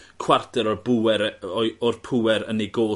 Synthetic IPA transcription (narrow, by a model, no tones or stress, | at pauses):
kʰwartʰɛɾɔrbuɛɾɔɔrpʰuwɛɾə̰niɡoː